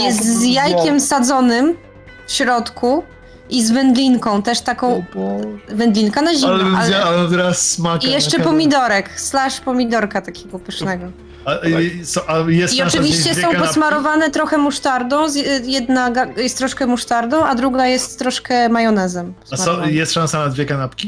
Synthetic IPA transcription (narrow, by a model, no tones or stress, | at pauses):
jɛst̪zjajkʲɛmsad̪zɔnɘm | fɕɾɔt̪kʰu | ʔizvɛnd̪lʲinkɔ̃w̃t̪ɛʂt̪akɔ̃w̃ | vɛnd̪lʲinkanaʑiɛaalɛt̪ɛɾasːmakijɛʂt͡ʂɛpɔmʲid̪ɔɾɛkslaʂpɔmʲid̪ɔɾkat̪akʲʰeɡɔpɨʂnɛɡɔ | asɔʔajɛst̪iɔãɨvʲiɕt͡ɕɛsʲɔ̃w̃pɔsmaɾɔvanɛt̪ɾɔxɛmuʂt̪aɾd̪ɔ̃w̃zjɛd̪naɡajɛst̪ːɾɔʂkɛmuʂt̪aɾd̪ɔ̃w̃ʔad̪ɾuɡajɛst̪ːɾɔʂkɛmajɔnɛzɛmpɔsamɔjɛst̪ʂansanad̪vʲjɛkanapkʲi